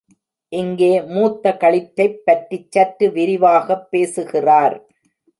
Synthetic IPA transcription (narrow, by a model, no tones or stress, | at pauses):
ʔɪŋɡeːmuːt̪ːɐkɐɭɪtːɐɪpːɐʈrit͡ʃːɐʈːɯʋɪɾɪʋaːɣɐpːeːsɯɣɪraːɾ